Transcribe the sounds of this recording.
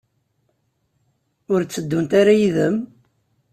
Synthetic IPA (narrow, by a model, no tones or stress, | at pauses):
ʊɾt͡sːəd̪ːunt̪aɾajiðəm